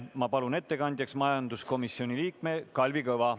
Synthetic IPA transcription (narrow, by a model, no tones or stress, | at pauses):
mɑpɑlune̞t̪ːe̞kɑnʲd̪jɑksmɑjɑnd̪usko̞misio̞nʲiliːkme̞kɑlʲvikɤvɑ